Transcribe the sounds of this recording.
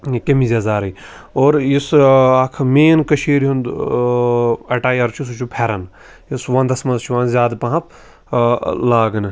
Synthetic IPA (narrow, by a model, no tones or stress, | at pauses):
kemizʲɐzaːɾɐi | oːɾjisakʰmeːnkɐʃʰiːɾɦund̪ | ɐʈaːjɐɾt͡ʃʰus̬ut͡ʃʰupʰeɾɐn | isʋɐnd̪ɐsmɐnzt͡ʃʰuʋɐːnzʲaːd̪pɐɦɐp̚ʰ | laːɡɐn